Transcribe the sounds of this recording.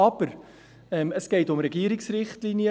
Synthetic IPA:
ɑbər | ɛməsɡ̥eɪtʊmrəɡiːəɾɪŋsrɪχtliniə

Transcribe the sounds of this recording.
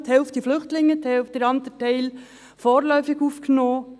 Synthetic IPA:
t̪hɛlftd̥iflʏxtlɪŋːət̪ɛlftd̥eɾɑnt̪ətɛɪl | foːɾlœʏfɪɡufknoː

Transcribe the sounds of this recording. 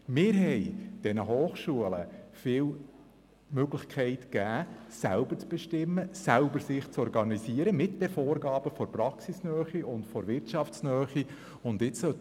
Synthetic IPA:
mɪːɾɦɛjd̥ɛnəɦoːχʃuələ̰fɪːl | møɡlɪχkʰɛɪtkæːsælb̥əɾt͡sb̥ɛʃtɪmːəsælbəɾsɪχt͡sɔɾɡɑnisiəɾəmɪtd̥ɛfoːɾɡɑːb̥əfɔɾprɑksisnœːχiʊntfɔɾʋɪɾtt͡ʃɑft͡snœːχi | ʊndɪt͡ssœ

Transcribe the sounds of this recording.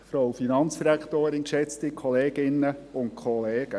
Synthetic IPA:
fɾɔwfinɑnt͡sd̥iɾækʰtoːɾɪnkʃɛt͡stikʰɔleːɡ̥ɪnːəʊnt̚kʰɔleːɡ̥ə

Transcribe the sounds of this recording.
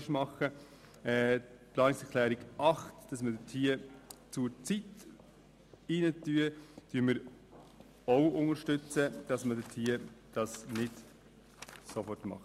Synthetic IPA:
ʃmɑχə | ɛpʰlɑːnɪksɛɾkʰlɛːɾiɡʔɑχtd̥ɑsmədətʰiːt͡sut͡sit | ɪnətyːəd̥yməɾ | oʊʊnəɾʃtʏt͡səd̥ɑsmədətʰiːd̥ɑsnɪd | sofɔrtmɑ̰χt

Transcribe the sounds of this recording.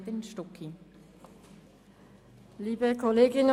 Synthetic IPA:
dɪnʃtɔkʰi | liːbəkʰɔleːɡɪn

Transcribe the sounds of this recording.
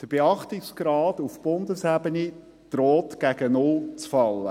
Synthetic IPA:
d̪̥əɾb̥eɑχtɪksɡ̥ɾɑːdufb̥ʊnd̪əshæbəni | d̪̥ɾɔːtɡ̥æɡ̥ənʊlt͡sfɑlːə̰

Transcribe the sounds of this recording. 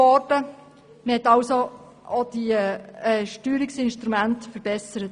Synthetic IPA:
ɔɾdə | məhɛtɑwso | od̪̥iɛʃtyːɾɪksɪnʃtɾumæntfəɾb̥ɛsəɾət

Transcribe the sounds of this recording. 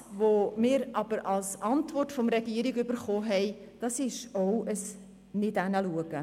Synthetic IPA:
vomɪːɾʔɑb̥əɾɑlsʔɑntvɔrtfɔmɾɛɡiəɾiɡʏbəɾχoːɦɛɪd̥ɑsɪʃoʊəs | nɪdænəluəɡ̥ə

